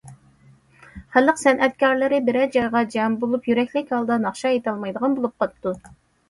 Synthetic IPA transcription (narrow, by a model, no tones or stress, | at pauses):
χæləqsɛnʔɛt̪̚kʲʰɑɾlˠɪɾɪbɪɾɛd͡ʒɑjʁɑd͡ʒɑmbolˠupjyɾɛkʲlɪkʲhɑlˠd̪ɑnɑχʃɑjet̪ʰɑlˠmɑjd̪əʁɑnbolˠup̚qɑt̪ːu